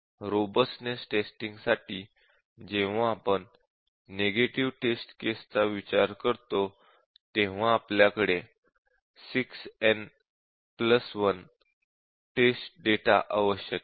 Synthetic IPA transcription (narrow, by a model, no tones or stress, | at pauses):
ɾobəsnesʈesʈiŋɡsaʈiː | d͡ʑeʋ̤aːpəɳ | neɡeʈiʋʈesʈkest͡saʋit͡ɕaɾkəɾt̪o | t̪eʋ̤ãːpljakəɽe | siksɛn | pləsʋən | ʈesʈ̚ɖeʈa̰ʔaʋəɕjək